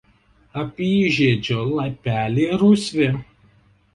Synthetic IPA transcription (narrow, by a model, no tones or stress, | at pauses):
ɐpʲiːʒʲeːd͡ʒʲoːlˠɐpʲæːlʲeːɾuːsʲʋʲɪ